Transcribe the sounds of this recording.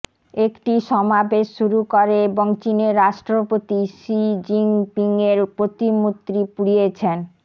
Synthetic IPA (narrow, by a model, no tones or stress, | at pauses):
ekʈiʃɔmabeʃʃuɾukoɾeeboŋt͡ɕineɾːaʃʈɾopot̪iʃid͡ʑiŋpiŋeɾpɾot̪imut̪ːɾipuɽijet͡ɕʰen